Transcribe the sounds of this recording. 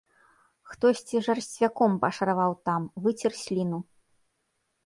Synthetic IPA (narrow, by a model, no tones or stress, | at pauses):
xt̪ɔsʲt͡sʲiʐɐrsʲt͡sʲvʲakɔmpɐʂɐɾavawt̪amvɨt͡sʲirsʲlʲinu